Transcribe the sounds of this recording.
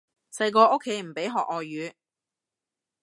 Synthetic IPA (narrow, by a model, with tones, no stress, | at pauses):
sɐ˧jk̬ɔː˧ʔo˥kʰːe˨˥jm̩˨˩pe˨˥jɦɔː˨k̚ɔː˨ɥyː˨˧